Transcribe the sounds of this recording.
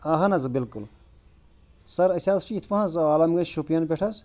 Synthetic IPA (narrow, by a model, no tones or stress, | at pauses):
ɐɦɐnɐzbilkul | sɐɾɐsʲaːst͡ʃiːt̪ʰpɐɦɐzaːlɐmɡɐt͡ʃʃupijɐnpʲeʈʰɐs